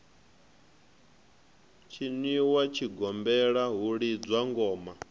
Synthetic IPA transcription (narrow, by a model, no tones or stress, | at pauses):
t͡ʃʰiniwat͡ʃʰiɡɔmbɛɺaɦuɺid͡zwaŋɡɔːma